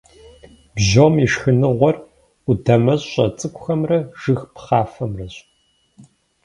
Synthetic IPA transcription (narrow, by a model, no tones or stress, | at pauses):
bʑoːmiʂxɨnɨʁʷɔr | udɐmɐɕʼɕʼɐ̰t͡sʼɨkʷʰʼʊxɐmrɐʒ̥ɨxpχɑːfɐmrɐɕʼ